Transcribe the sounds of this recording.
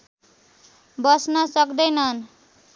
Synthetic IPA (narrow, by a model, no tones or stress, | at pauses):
bʌsnʌsʌkd̪ʌjnʌn